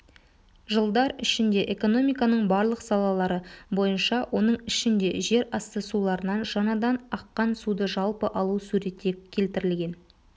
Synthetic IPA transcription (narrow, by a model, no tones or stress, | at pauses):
ʒəlˠd̪ɑɾɪʃɪnd̪e̞ʔe̞ko̞no̞mijkɑnəɴbɑɾlˠəqsɑlˠɑlˠɑɾəbo̞jənʃɑwʔo̞nəɴɪʃɪnd̪e̞ʒe̞ɾɑst̪əsulˠɑɾənɑnʒ̥ɑɴɑd̪ɑnɑqːɑnsud̪əʒɑlˠpəʔɑlˠusuɾe̞t̪ːekʲʰe̞lt̪ɪɾɪlɡʲe̞n